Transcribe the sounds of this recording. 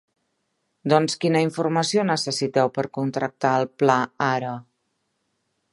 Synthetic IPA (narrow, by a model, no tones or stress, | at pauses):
d̪ɔnskinəiɱfurməsionəsəsit̪ɛwpəɾkunt̪ɾək̚t̪aəlˠplaaɾə